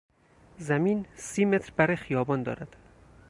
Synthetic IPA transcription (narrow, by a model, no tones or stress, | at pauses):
zæmiːnsiːmet̪ɾbæɾɒjxijɒːbɒːnd̪ɒ̰ːɾæd̪̥